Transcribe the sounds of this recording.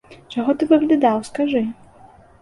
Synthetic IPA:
t͡ʂaɣɔt̪ɨvɨɣlʲid̪awskaʐɨ

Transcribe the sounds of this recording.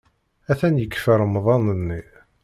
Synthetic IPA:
æθænjəkːfəɾˤəmðˤɑnənːi

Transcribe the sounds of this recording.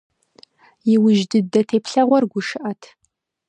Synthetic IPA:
jɪwʊʒdɨdɐtʰeːpɬɐʁʷɔrɡʷʊʃɨʔɐtʰ

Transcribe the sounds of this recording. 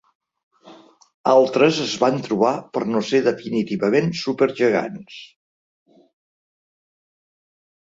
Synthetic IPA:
alˠt̪ɾəzəzβant̪ɾuβ̞apəɾnoseðəfinit̪iβəmensupəɾʒəɣa̰ns

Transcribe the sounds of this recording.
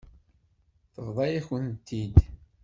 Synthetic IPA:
θəvðˤɑjæçənt̪ːid̪

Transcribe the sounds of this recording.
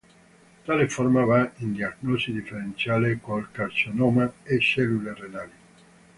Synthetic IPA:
t̪aːleformavaind̪iaknɔsid̪ifːeɾent̪sjaːlekolkart͡ʃonɔːmaesɛlːulerenaːli

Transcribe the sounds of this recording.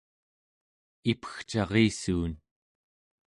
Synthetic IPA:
ipə̥xt͡ʃɑʁiːsuːn

